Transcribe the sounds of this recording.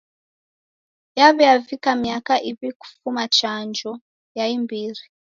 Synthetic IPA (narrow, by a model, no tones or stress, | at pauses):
jaβɛavikamiakaʔiβiku̥fumat͡ʃand͡ʒɔ | jaimbiri